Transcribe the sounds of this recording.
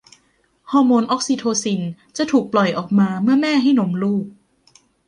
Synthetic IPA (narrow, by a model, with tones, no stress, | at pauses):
hɔː˧moː˧nʔɔ˦˥k̚si˧t̪ʰoː˧si˧nt͡ɕa˨˩t̪ʰuː˨˩k̚plɔ˨˩jʔɔː˨˩k̚maː˧mɯ˥˩ɐmɛː˥˩ɦa˥˩jno˩˦mluː˥˩k̚